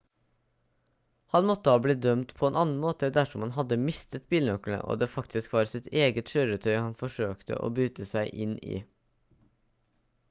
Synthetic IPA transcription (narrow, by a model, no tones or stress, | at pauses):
hɑnmɔt̪ːəhɑːbliːd̪œmt̪pʰɔɛːnɑːnn̩moːt̪əd̪æʂɔmhɑnɦɑd̪ːəmɪst̪ət̪biːlnœkl̩ə̰ʔo̰ːd̪eːfɑkt̪ʰɪskʋɑːɾsɪt̪eːɡət̪ʃøːɾət̪ʰœʏhɑnfɔʂøːkt̪ʰə̰ʔo̰ːbyːt̪əsæɪʔɪnḭː